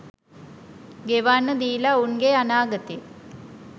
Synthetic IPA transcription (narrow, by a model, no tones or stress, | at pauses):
ɡeʋaːnːɐd̪iːlaunɡeɐnaːɡɐt̪i